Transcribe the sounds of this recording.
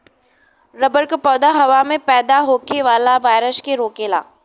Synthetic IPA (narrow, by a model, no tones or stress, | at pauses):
ɾɐbəɾkpɔːd̪aɦɐʋamẽpɛːd̪aɦoːkʰeʋaːlaʋaːɪɾəʃkeɾoːkela̰ː